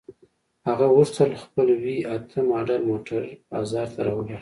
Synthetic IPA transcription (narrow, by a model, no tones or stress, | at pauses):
haɣawuɾt͡s̪alxpəlwiat̪ʰəmɑɖaɾmoʈaɾɑ̰zɑɾt̪ʰaɾɑwəɡa